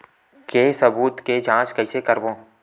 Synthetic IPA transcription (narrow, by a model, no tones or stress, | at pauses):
keːsɐbuːt̪ked͡ʒãːt͡ʃkɐɪsekɐɾbõː